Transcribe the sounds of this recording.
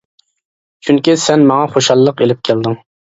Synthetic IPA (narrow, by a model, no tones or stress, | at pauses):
t͡ʃʰyŋkʲisɛnmɑŋɑχoʃɑlˠːəqelɪp̚kʲʰæld̪ɪŋ